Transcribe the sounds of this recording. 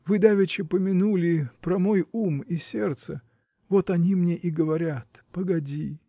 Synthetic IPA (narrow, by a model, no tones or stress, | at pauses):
vɨd̪avʲɪt͡ɕɪpəmʲɪnulʲɪpɾɐmo̞jumisʲe̞rt̪sə | vo̞t̪ɐnʲimnʲeʔiɡəvɐɾʲat̪pəɡɐdʲi